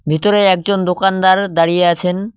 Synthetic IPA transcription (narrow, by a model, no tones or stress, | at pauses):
bʱit̪oɾeɛk̚d͡ʑond̪okand̪aɾd̪aɾijeat͡ɕʰen